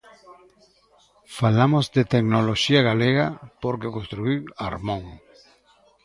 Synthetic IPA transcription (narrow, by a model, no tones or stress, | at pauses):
falamozd̪et̪eknoloʃiaɣaleɣapoɾkeokõnst̪ɾuiwa̰ɾmõŋ